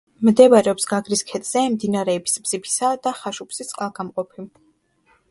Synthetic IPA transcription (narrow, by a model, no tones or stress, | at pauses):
md̪ɛbaɾɛɔpsɡaɡɾiskʰɛt̪ʼz̥ɛmd̪inaɾɛbisbz̥ipʰi̥sad̪aχaʃupʰsisʼqʼalˠɡamqʼɔpʰim